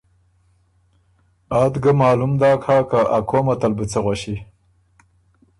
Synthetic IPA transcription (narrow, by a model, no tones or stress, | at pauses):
ɑːt̪ɡəmɑːlumd̪ɑːkʰaːkaʔakʰomat̪albət͡səɣwaʃi